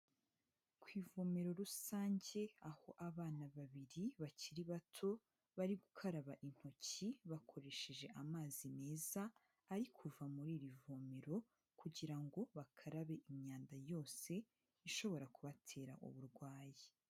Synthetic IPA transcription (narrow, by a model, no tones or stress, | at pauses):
kwiːvome̞ɾo̞ɾusaːɲɟe̞aho̞ʔaβaːnaβaβiɾiβaciɾiβatʰo̞ | βaɾiɡukʰaɾaβaʔin̥ho̞ciβakʰo̞ɾe̞ʃe̞ʒe̞ʔamaːzime̞ːzaː | ɾikʰuvamuɾiːɾivome̞ɾo̞ | kuɟiɾaŋɡo̞βakʰaɾaβe̞ʔimɲaːndajo̞ːse̞ | iʃo̞βo̞ɾakuβatʰe̞ːɾa̰ʔṵβuɾɡwaːje